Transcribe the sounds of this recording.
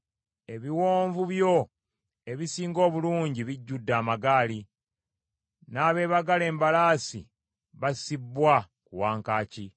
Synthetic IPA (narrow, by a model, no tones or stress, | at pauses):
e̞βiwoːɱvuβjo̞ | e̞βisiːŋɡo̞ːβuluːɲɟiβiɟːudːaːmaɡaːli | naːβe̞ːβaɡale̞ːmbalaːsḭ | βasibːwa | kuwaːŋkaːci